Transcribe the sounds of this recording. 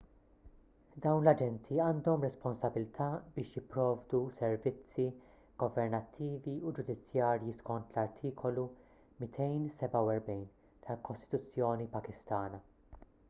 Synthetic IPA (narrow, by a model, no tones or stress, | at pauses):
d̪ɐwnlɐd͡ʒɛnt̪ʰiɐːnd̪ɔmɾɛspɔnsɐbɪlt̪ʰɐːbɪːʃjɪpːɾɔːvd̪usɛɾvɪt͡sːi | ɡ̥ɔvɛɾnɐt̪ʰːiːviud͡ʒʊd̪ɪt͡sːjɐːɾjiskɔnt̪lɐɾt̪ʰiːkʰɔlu | mɪt̪ʰɛjnsɛbɐwɛɾbɛjn | t̪ʰɐlkɔst̪ɪ̥t̪ʊt͡sːjɔːnipɐkɪst̪ɐːnɐ